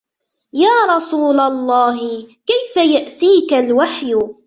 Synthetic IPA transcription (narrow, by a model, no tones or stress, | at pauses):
jaːɾˤɑsuːlalˤːɑːɦɪkajfajaʔt̪iːkalwaħjʊ